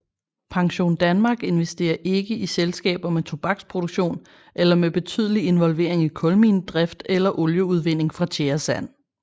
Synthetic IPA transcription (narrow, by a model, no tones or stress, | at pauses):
pʰɑ̈ŋɕo̝̰ːnd̥ænmɑ̈ːɡ̥e̝nʋesd̥e̝̰ːɐʔe̝ɡ̥əʔiselsɡ̥ɛ̰ːb̥ɐmet͡sʰo̝b̥ɑ̈ɡ̥spʰʁo̝d̥oɡ̥ɕo̝̰ːn | ʔelɐmeb̥e̝t͡sʰy̰ð̞ˠlie̝nʋɒ̽lʋe̝̰ːɐ̰e̝ŋikʰɔ̽lmḭːnd̥ʁɛfd̥elɐʔɔljəuð̞ˠʋe̝n̰e̝ŋfʁɑ̈t͡ɕʰeɐsæn̰